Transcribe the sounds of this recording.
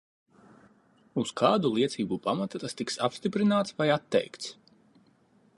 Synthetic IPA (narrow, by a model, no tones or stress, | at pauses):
uskʰaːd̪ulˠiɛt̪siːbupamat̪at̪ast̪iksapst̪ipɾinaːt̪svajat̪ːɛ̰jkt̪s